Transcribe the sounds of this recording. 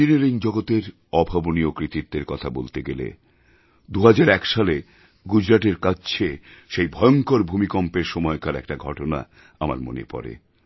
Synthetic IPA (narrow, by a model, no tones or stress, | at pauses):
ineɾiŋd͡ʑɔɡot̪eɾ | ɔbʱaboniokɾit̪it̪̚ːeɾkɔt̪ʰabolt̪eɡelḛ | d̪uɦad͡ʑaɾɛkʃale | ɡud͡ʑɾaʈeɾkat͡ɕt͡ɕʰeʃejbʱɔeoŋkoɾbʱumikɔmpeɾʃɔmɔekaɾɛ̰kʈaɡʱɔʈona̰ | ama̰ɾmo̰nḛpɔ̰ɾḛ